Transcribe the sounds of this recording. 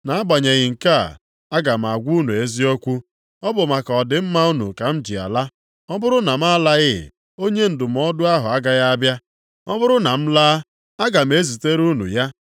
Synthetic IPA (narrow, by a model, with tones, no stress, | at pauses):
na˨a˦ɡ͡ba˨ɲe˨ɣɪ˨ŋ̩˨ka˦˨ | a˦ɡa˨m̩˨a˨ɡʷu˦nu˨e˦zi˦o˦kʷu˦ | ɔ˦bʊ˨ma˨kɔ˨dɪ˨m̩˦ma˦u˦nṵ˨ka˨m̩˦d͡ʒḭ˨a̰˨la˦ | ɔ˦bʊ˦ɾʊ˦na˨m̩˦a˦la˦ɣɪ˦˨ | o˦ɲe˦n̩˨dʊ˨m̩˨˦ɔ˦dʊ˦a˦ɦʊ˨a˦ɡa˨ɣa˦a˦bja˦ | ɔ˦bʊ˦ɾʊ˦na˨m̩˦laː˦ | a˦ɡa˨m̩˨˦e˦zi˨te˦ɾu˦nṵ˨ja˦